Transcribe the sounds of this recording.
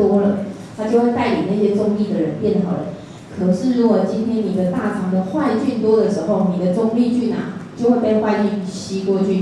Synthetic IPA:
wɔ˥lə˨ | t̪ʰa˥˩t͡ɕjo˥˧ʊwe˥˧t̪a˥˩ɪjo˨˩na˥˩ɕjɛ˥t͡sʊ˥˧ŋli˥˩d̪ə˩ɻə˨˧˦npjɛ˥˩nxɑ˨˩ʊlə̰˧˦ | kʰɤ˨˩nə˧ʂɻ̩˥˩ɻu˨˦˥kwɔ˨˩t͡ɕi˦nt̪ʰjɛ˥nni˨˩d̪ə˦t̪a˥˩ʈ͡ʂʰɑ˧˥ŋd̪ə˨xwa˥˧ɪt͡ɕy˥˩nt̪wɔ˥d̪ə˨ʂɻ̩˧˦xo˥˨˩ʊni˨˩d̪ə˩˦t͡sʊ˥ŋli˥˧t͡ɕy˥˩na̰˨˩t͡ɕjo˥ʊxwe˥˧ɪpe˥˧ɪxwa˥˧ɪt͡ɕi˥˩n˨˩ɕi˥kwɔ˥˩t͡ɕʰy˥˩

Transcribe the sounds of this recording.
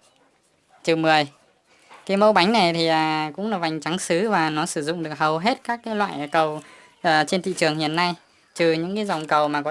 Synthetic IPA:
t͡ɕɨ˨˩mɨ˨˩əj | kaː˨˦jmə˧wɓa˨˦jŋ̟na˨˩jt̪ʰi˨˩ʔəː˨˩kʊ̰˧˥ŋ͡mlaː˨˩va˨˩jŋ̟t͡ɕa˨˦ŋsɨ˨˦vaː˨˩nɔ˨˦sɨ˧˩zʊ̰˧˨ŋ͡mɗɨ˨˩ək̚hə˨˩wɦe˦˥t̚kaː˦˥k̚ːaː˨˦lwa̰ː˧˨jkə˨˩w | ʔəː˨˩t͡ɕe˧nt̪ʰḭ˧˨t͡ɕɨ˨˩əŋhḭ˧˨ənːa˧j | t͡ɕɨ˨˩ɲɨ̰˧˥ŋkaː˨˦jza˨˩wŋ͡mkə˨˩wmaː˨˩kɔ˨˦

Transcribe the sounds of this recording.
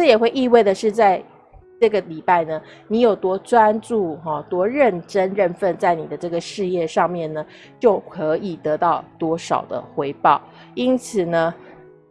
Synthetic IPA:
ʈ͡ʂɤ˥˩jɛ˨˩xwe˥˧ɪʔi˥˧we˥˩ɪd̪ə˩ʂɻ̩˥˧t͡sa˥˧ɪ | ʈ͡ʂɤ˥˩ɡə˩li˨˩pa˥˩ɪnə˩ | ni˧˥jo˨˩ʊt̪wɔ˥t͡swa˦nt͡su˥˩xɔ˨˩t̪wɔ˥ɻə˥˨˩nʈ͡ʂə˥nɻə˥˧nfə˥˧nt͡sa˥˩ɪni˨˩d̪ə˦ʈ͡ʂɤ˥˩ɡə˩ʂɻ̩˥˧jɛ˥˧ʂɑ˥˧ŋmjɛ˥˩nnə˩ | t͡ɕjo˥˩ʊkʰɤ˧˥i˨˩t̪ɤ˧˥t̪ɑ˥˩ʊt̪wɔ˥ʂɑ̰˨˩ʊd̪ə̰˦xwe˧˥ɪpɑ˥˩ʊ | i˥nt͡sʰɹ̩˨˩nə˦

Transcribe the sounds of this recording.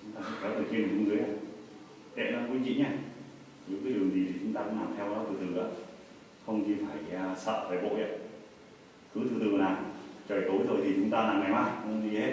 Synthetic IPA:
t͡ɕʊ˨˦ŋ͡mt̪aː˧kṵ˧˥fɔ˨˦t̪ʰɨ˨˩t͡ɕi˧nmə˨˩kːŋɨ˨˧əjʔaː˨˧˩ | ɗ̪ɛ̰˧˨na˨˧˦ku˧t͡ɕḭ˧˨ɲaː˧˨ | zɨ̰˧˥kaː˨˦ɗi˨˩əŋzi˨˩t̪ʰi˨˩t͡ɕʊ˨˦ŋ͡mt̪aː˧kʊ̰˧˥ŋlaː˨˩mt̪ʰɛ˧wkɔ˨˦jt̪ʰɨ˨˩t̪ɨ˨˩ʔaː˨˧˦ | xə˧wŋ͡mt͡ɕi˧˩faː˧˩ja˧sə̰ː˧˨faː˧˩jɓo̰˧˨a̰˧˨˩ | xɨ˨˦t̪ʰɨ˨˩ɨ˨˩kːnaː˨˩t͡ɕəː˨˩jt̪o˨˦jzo˨˩jt̪ʰi˨˩t͡ɕʊ˨˦ŋ͡mt̪aː˧laː˨˩mŋa˨˩jmaː˧i˧˩he˦˥t̚

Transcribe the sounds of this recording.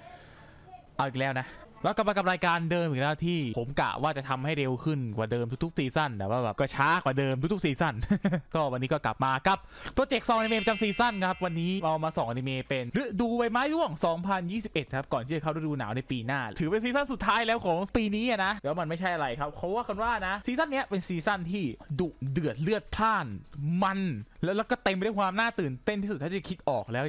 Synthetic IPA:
ʔa˧˩wʔi˨˩klɛː˦˥wna˦˥ʔlɛː˦˥˩kla˨˩maː˧ka˨˩p̚ɾaː˧jkaː˧ndɤː˧mʔiː˨˩lɛː˦˥wt̪ʰiː˥˩pʰo˩˦mka̰˨˩waː˥˩t͡ɕa˨˩t̪ʰa˧mha˥˩jɾe˧wkʰɯ˥˩nkwaː˨˩dɤː˧mt̪ʰu˦˥t̪ʰu˦˥k̚siː˧sa˥˩nbɛ̰ː˨˩p̚waː˥˩bɛː˨˩p̚kɔː˥˩t͡ɕʰaː˦˥kwaː˨˩dɤː˧mt̪u˧˦˥t̪ʰu˥siː˧sa˥˩nkɔː˥˩wa˧nːiː˦˥kɔː˥˩kla˨˩p̚maː˧ka˨˩p̚ːɾoː˧t͡ɕe˨˩k̚sɔː˨˦ŋ˧ni˧meː˧pa˧t͡ɕa˧msiː˧sa˥˩nkʰa˦˥p̚wa˧nːiː˦˥ʔa˧wmaː˧sɔː˨˦ʔa˧ni˧meː˧pe˧nɾɯ˦˥duː˧wa˧jmaː˦˥lu˥˩əŋsɔː˩˦ŋpʰa˧njiː˥˩si˨˩p̚ʔe˨˩t̪̚kʰa˦˥p̚kɔː˨˩nt̪ʰi˥˩a˨˩kʰa˥˩dduː˧naː˩˦wna˧jpiː˧naː˥˩t̪ʰɯː˩˦pe˧ns̬iː˧sa˥˩˨nsu˨˩t̪ʰːaː˦˥jlɛː˦˥wkʰɔː˩˦ŋpiː˧niː˦˥a˨˩na˦˥ʔlɛː˦˥wma˧nma˥˩jt͡ɕʰa˥˩jʔa˧ɾa˧jkʰa˦˥p̚kʰa˦˥waː˥˩ka˧nwaː˥˩na˦˥ʔsiː˧sa˥˩nːi˦˥ɐpe˧nsiː˧sa˥˩nt̪ʰiː˥˩duː˨˩dɯ˨˩ət̪̚lɯ˥˩ət̪̚t̪ʰaː˥˩nma˧nlɛː˦˥wlɛ˦˥wkɔː˥˩t̪e˧mpa˧da˥˩kwaː˧mnaː˥˩t̪ɯː˨˩nt̪e˥˩nt̪i˥˩su˨˩aː˥˩˥a˩kʰi˦˥t̪̚ʔɔː˨˩k̚lɛː˦˥w

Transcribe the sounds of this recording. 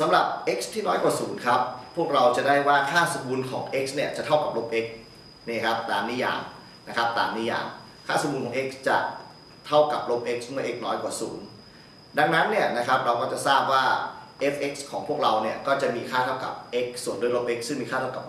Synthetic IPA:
sa˨˦mɾa˨˩p̚ʔe˦˥k̚st̪ʰiː˥˩nɔː˦˥jkwaː˨˩suː˩˦nkʰa˦˥p̚ʰːu˥˩ək̚ɾa˧wt͡ɕa˨˩daː˥˩jwaː˥˩kʰaː˥˩so˨˧˦mbuː˧nkʰɔ̰ː˩˦ŋʔe˦˥k̚sni˥˩ɐt͡ɕa˨˩ʔt̪ʰa˥˩wka˨˩p̚lo˦˥p̚ʔe˦˥k̚ | niː˥˩kʰa˦˥p̚t̪aː˨˩mniː˦˥ja̰ː˨˩ŋ | na˦˥kʰa˦˥p̚t̪a̰ː˨mniː˦˥˩ja̰ː˨˩ŋ | kʰaː˥˩so˨˩˦mbu˧nkʰɔ˩˦ŋʔe˦˥k̚st͡ɕa̰˨˩ | t̪ʰa˥˩wka˨˩p̚lo˦˥p̚ʔe˦˥k̚smɯ˥˩ɐʔe˦˥k̚nɔː˦˥jkwaː˨˩sṵː˩˦n | da˧ŋna˦˥nːi˥˩ɐna˦˥kʰa˦˥p̚ɾa˧wkɔː˥˩t͡ɕa˨˩saː˥˩p̚waː˥˩ʔe˦˥k̚ʔe˦˥k̚skʰɔː˩˦ŋpʰu˥˩ək̚ɾa˧wni˥˩ɐkɔː˥˩t͡ɕa˨˩miː˧kʰaː˥˩t̪ʰa˥˩wka̰˨˩p̚ʔe˦˥k̚su˨˩˦nduː˧˥˩lo˦˥p̚ʔe˦˥k̚sɯ˥˩ŋmiː˧kʰaː˥˩t̪ʰa˥˩ka˨˩p

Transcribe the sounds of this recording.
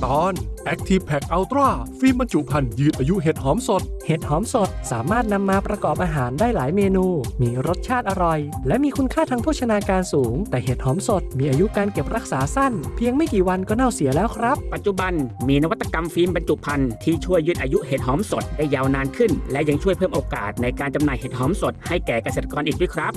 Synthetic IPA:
t̪ɔː˧˥nʔɛ˦˥k̚t̪ʰi˧˥ppʰːɛ˨˩k̚ʔa˧wt̪ɾɔː˥˩fiː˧mba˧nt͡ɕu˨˩pʰa˧njɯː˧˩nʔaː˧ju˦˥ʔɦeː˨˩t̪̚hɔː˩˥mso˨˩t̪̚heː˨˩t̪̚hɔː˦˥mso˨˩t̪̚saː˩˦maː˥˩t̪̚na˧mːaː˧pɾa˧kɔː˨˩p̚ʔaː˧ɦaː˩˦ndaː˥˩jlaː˩˦jmeː˧nuː˧miː˧ɾo˦˥t̪̚t͡ɕʰaː˥˩t̪̚ʔa˧ɾɔ˨˩jlɛ˦˥ʔmiː˧kʰu˧nkʰaː˥˩t̪ʰa˧ŋpʰuː˥˩a˧naː˧kaː˧nsuː˩˦ŋt̪ɛː˨˩ɦeː˨˩t̪̚hɔː˩˦˥mso˨˩t̪̚miː˧ʔaː˧ju˦˥kaː˧nke˨˩p̚ɾa˦˥k̚saː˩˦sa˥˩npʰi˧əŋma˥˩jkiː˨˩wa˧nkɔː˥˩na˥˩wsi˩˦lɛː˦˥wkʰɾa˦˥p̚pa˨t̪̚t͡ɕu˨˩ba˧nmiː˧na˥wa˦t̪ːa˧ka˧mfiː˧˥mba˧nt͡ɕu˨˩pʰa˧nt̪ʰiː˥˩t͡ɕʰu˥˩əjːɯː˥˩t̪ʔaː˧ju˦˥ʔheː˨˩t̪̚hɔː˩˦mso˨˩t̪̚da˥˩jːaː˧wnaː˧nkʰɯ˥˩nlɛ˦˥ʔja˧ŋt͡ɕʰu˥˩jpʰɤː˥˩mʔoː˧ka̰ː˨˩t̪̚na˧jkaː˧nt͡ɕa˧mnaː˨jheː˨˩t̪̚hɔː˩˦˥mso˨˩t̪̚ha˥˩jkɛː˨˩ka˧seː˨˩t̪̚ʰːa˧kɔː˧nʔiː˨˩wi˦˥˩kʰɾa˦˥p̚

